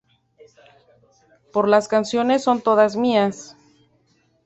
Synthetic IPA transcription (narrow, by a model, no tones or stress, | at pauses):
po̞ɾlaskansjo̞ne̞sːont̪o̞ðazmias